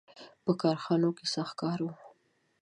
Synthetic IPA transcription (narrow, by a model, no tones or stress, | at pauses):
pəkɑɾxɑnokesɑxkɑɾwu